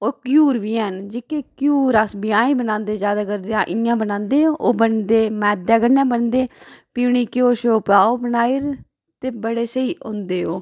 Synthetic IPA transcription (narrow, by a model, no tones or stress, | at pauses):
oːkjuːɾʋiːɛnd͡ʒɪkekjuːɾasbɪjãːĩːbənãːnd̪eːzjaːd̪aːkəɾd̪eãːʔɪjãːbənãːnd̪eːoːbənd̪eːmɛːd̪ɛːɡəɾnãːbənd̪eːpiːɳiːkɪoːʃoːpɾaːoːbənaːiːɾ | t̪eːbəɽeːsəiːʔõ̰ːnd̪eːoː